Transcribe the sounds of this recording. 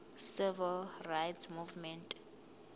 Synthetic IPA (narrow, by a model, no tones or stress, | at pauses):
sivɛlrajtsmuvmɛntʼ